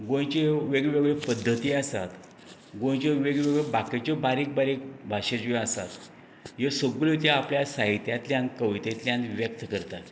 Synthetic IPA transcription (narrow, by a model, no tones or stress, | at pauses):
ɡõjt͡ɕeʋeɡɭʋeɡɭepəd̪ʱːət̪iːasa̰t̪ | ɡõjt͡ɕeʋeɡɭʋeɡɭebaket͡ɕɔbaɾiːk̚baɾik̚bʱaʂed͡ʑ̃asa̰t̪ | jesəɡɭet̪̬jaapljasaɦit̪jat̪ljãnkəʋit̪et̪ljãnʋjək̚t̪kəɾt̪at̪